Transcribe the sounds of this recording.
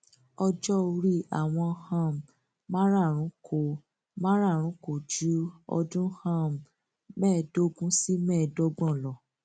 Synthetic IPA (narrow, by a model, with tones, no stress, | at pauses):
ɔ˧d͡ʒɔ˦˧ɾi˦˨a˨w̃ɔ̃˧hã˦˨m˨ | mã˦ɾa˦˨ɾ̃ũ˨˦kʰo˨ | mã˦ɾa˦˨ɾ̃ũ˨˦ko˨d͡ʒu˨˦ɔ̰˧dũ˦hã˦˨m˨ | mɛ̃ː˦˨do˦ɡũ˦si˦mɛ̃ː˦˨do˦ɡ͡bɔ̃˦˨lɔ˨